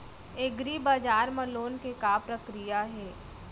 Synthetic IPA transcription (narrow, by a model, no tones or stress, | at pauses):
eɡɾibaːd͡ʒaːɾmə̃loːnkekaːpɾəkɾijaɦɛː